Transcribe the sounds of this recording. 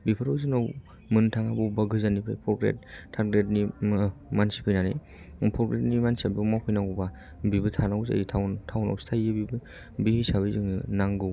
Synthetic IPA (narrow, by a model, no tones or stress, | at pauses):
bipʰɯɾowzɯnaw | mɯntʰaŋabɔwbaɡɯzanipʰa̰jpʰɔɾpɾḛt̚tʰːaɾɡɾet̚nimansi̥pʰɯjnanḭj | pʰɔɾpɾetnimansabiwmawpʰɯjnawuba | bibɯtʰanawza̰jitʰawntʰawna̰wstʰajɯbib | bihisaβizɯŋnaŋɡɯw